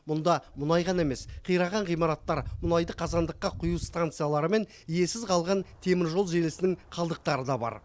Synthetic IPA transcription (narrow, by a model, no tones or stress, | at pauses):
mʊnd̪ɑmʊnɑjʁɑnɑe̞me̞sqʰijɾɑʁɑɴʁijmɑɾɑt̪ːɑɾmʊnɑjd̪əqʰɑzɑnd̪əqːɑqʰʊjuwst̪ant̪sɨjalˠɑɾəme̞n | ije̞sɪzqʰɑlˠʁɑnt̪ʰe̞mɪɾʒolˠʒelɪsɪnɪŋqʰɑlˠd̪əq̚t̪ɑɾəd̪ɑbɑ̰ɾ